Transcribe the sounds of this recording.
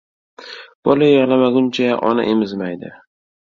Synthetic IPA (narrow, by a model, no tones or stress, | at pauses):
b̥ɒlajeʁlˠamaɡʊnt͡ʃʰaʔɒ̰na̰ʔemɪzmajd̪ɪ̰